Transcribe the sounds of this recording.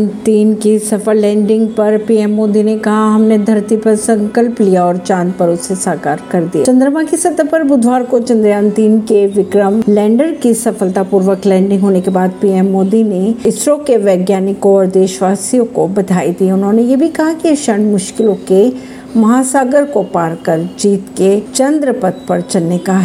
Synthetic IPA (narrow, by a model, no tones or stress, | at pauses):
nt̪iːnkisɐfəɾlɛ̃ːɳɖɪ̃ŋɡ̚pɐɾpiːɛːmːoːd̪inekɐɦaɦɐmned̪ʱɐɾt̪ipɐɾsɐ̃ŋkəlplijaɔːɾt͡ʃaːnpɐɾʊsesaːkaːɾkɐɾd̪ia̰t͡ʃɐ̃nd̪ɾəmakisɐd̪pɐɾbʊd̪ʱʋaːɾkot͡ʃɐ̃nd̪ɾjãːnt̪iːnkeʋɪkɾəmlɛ̃ːɳɖəɾkisɐfəlt̪apuːɾʋəklɛ̃ːɳɖɪ̃ŋɡɦoːnekebaːd̪piːɛmːoːd̪ineɪsɾõkeʋɛːɡjaːnɪkõɔːɾd̪eːʃʋaːsijõkobɐd̪ʱaːid̪iːʊnɦõnejebʱikɐɦakiʃɐɳmʊʃkɪlõke | mɐɦaːsaːɡəɾkopaːɾkɐɾd͡ʒiːt̪ket͡ʃɐ̃nd̪ɾəpɐt̪̚ʰpɐɾt͡ʃɐlnekaɦ